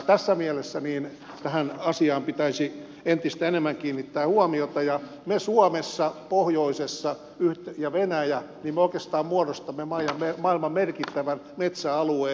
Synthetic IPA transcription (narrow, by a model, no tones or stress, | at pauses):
t̪æsːæmielesːæniːn | t̪æhænɑsiɑːmpit̪æisi | ent̪ist̪æenemːæŋkiːnːit̪ːæːhuɑmiot̪ɑjɑ | mesuɑmesːɑpohjoisesːɑ | yht̪ejɑʋenæjæ | niːmeoikest̪ɑːmmuɑrost̪ɑmːemɑijɑmːemɑilmɑmmerkit̪ːæʋæn | met̪sæɑlueː